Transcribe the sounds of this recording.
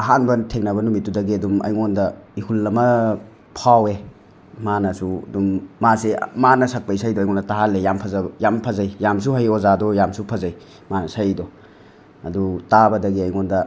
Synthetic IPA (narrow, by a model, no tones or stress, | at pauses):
ɐɦanbɐtʰeŋnɐbɐnumitːudɐɡiɐdumɐ̰jŋondɐihulːɐmɐ | pʰawe | manɐsuɐ̰dumːasemanɐsɐk̚pɐjsajdɔɐjŋɔndɐtaɦalːejampʰɐzabjampʰɐzajjams̬uɦajozadɔjamsupʰɐzaj | manɐsajdɔ | ɐdutabɐdɐɡiɐjŋondɐ